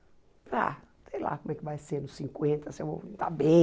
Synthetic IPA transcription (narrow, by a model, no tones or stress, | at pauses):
pɾa̰sej̃la̰kõmɛkɪvajseɾnʊsĩŋkwẽnt̪ɐsɪewvo̰t̪abẽ